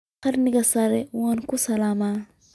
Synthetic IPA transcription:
kɐɾnɪɡɐsaɾɛwankʊsɐlama

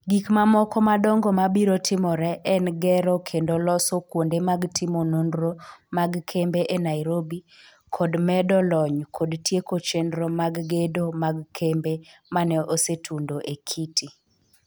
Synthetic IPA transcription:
ɡikmamɔkɔmadɔŋɡɔmabiɾotʰɪmɔɾɛʔɛnɡɛɾɔkʰendolɔsɔkwondemaɡtɪmonondɾomaɡkʰembeʔenaiɾobi | kʰɔdmɛdɔlɔɲkʰodtjekot͡ʃendɾomaɡɡedomaɡkʰembemanɛʔosetʰundoʔekʰitʰi

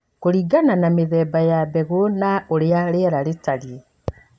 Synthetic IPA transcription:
koɾiːɡananameðɛːbajabɛɣonaoɾeaɾeɾaɾetaɾie

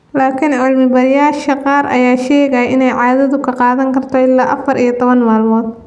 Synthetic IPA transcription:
laːkʰɪnʊlmɪbɐɾjaːʃɐqɑːɾɐ̰jaːʃɛːɣɐʔɪnɛjʕɑːðɐðʊkʰɐqɑːðɐŋkʰɐrt̪ʰɔɪlːaːʔɐfɐɾʔijɔt̪ʰɔβɐnmaːlmɔːd̪̚

